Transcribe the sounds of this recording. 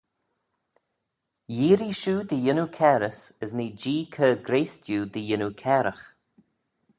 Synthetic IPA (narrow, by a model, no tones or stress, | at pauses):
jiːɾiʃuːd̪əjɪnukʰɛːɾəsəzniːd͡ʒiːkʰəːɡɾeːstjuːd̪əjɪnukʰɛːɾəx